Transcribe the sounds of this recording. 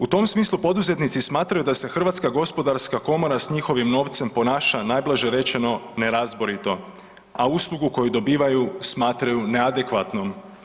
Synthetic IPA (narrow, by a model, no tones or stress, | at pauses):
ut̪o̞msmiːslˠupo̞d̪uze̞t̪nit̪sismaːt̪ɾajud̪ase̞xr̩ʋat̪skaɡo̞spo̞d̪aɾskako̞mo̞ɾasɲixo̞ʋimno̞ːʋt̪se̞mpo̞naːʃanaːjblˠaʒe̞ɾe̞t͡ʃe̞no̞ne̞ɾazboɾit̪o̞ | auslˠuɡuko̞jud̪o̞biːʋajusmaːt̪ɾajune̞ad̪e̞kʋat̪no̞m